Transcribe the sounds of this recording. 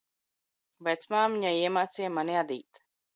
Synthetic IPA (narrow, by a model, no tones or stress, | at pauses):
vɛjt̪smaːmiɲaiɛmaːt̪sijamaniad̪ḭːt̪